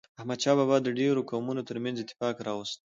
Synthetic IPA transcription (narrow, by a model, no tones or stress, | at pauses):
ahmad̪ʃɑbɑbɑd̪əɖeɾokawmunot̪əɾmanzɪt̪ːɪ̥fɑkɾɑwəst̪